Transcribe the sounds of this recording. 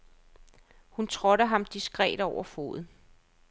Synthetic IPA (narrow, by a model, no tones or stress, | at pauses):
hunt͡sʰʁɔɾəɦɑ̈md̥isɡ̥ʁɛ̰ːd̥ɒʊɐfo̝̰ːð̩ˠ